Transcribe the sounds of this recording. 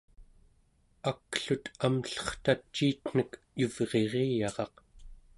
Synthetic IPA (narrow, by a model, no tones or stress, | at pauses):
akːɬut̪amɬʌ̥χt̪at͡ʃːiːt̪n̥ək | juvʁe̞ʁeːjɑʁɑq